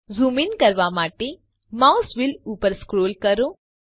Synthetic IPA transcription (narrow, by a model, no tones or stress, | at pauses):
zuminkəɾʋamaːʈe | mausʋilupəɾskɾoːlkəɾo